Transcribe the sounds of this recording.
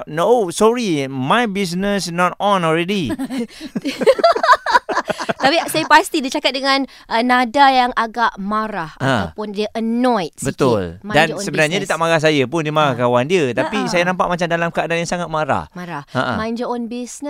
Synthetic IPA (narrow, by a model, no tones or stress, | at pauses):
nosɔɾimajbis̬nəsnɔt̪ɔnɔlɾɛdi | t̪apisajapast̪idit͡ʃakat̪̚dəŋan | ʔənadajaŋaɡaʔmaɾahʔaat̪apʊndiəʔənɔjt̪̚bət̪ʊlmadansəbənaɾɲadiət̪aʔmaɾahs̬ajapʊndiəmaɾahkawandiət̪apisajanãmpaʔmat͡ʃamdalamkəadanjaŋsaŋat̪̚maɾa̰hmaɾaha̰ʔa̰mãnd͡ʒəɔnbisnə